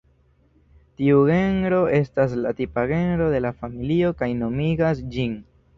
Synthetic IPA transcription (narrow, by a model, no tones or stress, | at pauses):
tiuɣe̞nɾo̞e̞stas̬latipaɣe̞nɾo̞de̞lafamilio̞kajno̞miɡasd͡ʒin